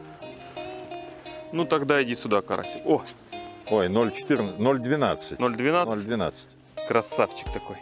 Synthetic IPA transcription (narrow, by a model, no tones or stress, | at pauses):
nut̪ɐɡd̪aɪdʲisʲʊd̪akɐɾa̰sʲɪo | ojnolʲt͡ɕɪ̥t̪ɨrnnolʲd̪vʲɪnat̪sɨt̚ʲnolʲd̪vʲɪnanolʲd̪vʲɪna̰t̪sə̥tʲ | kɾɐsaft͡ɕɪ̥k̚t̪ɐko̞j